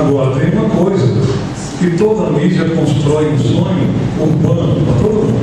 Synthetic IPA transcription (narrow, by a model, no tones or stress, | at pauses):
ɡaɾd̪eũmɐkojzɐ | kɪt̪od̪ɐmid͡ʒɐkõst̪ɾɔjũsõɲʊũpɐ̃ɐt̪od̪ɐ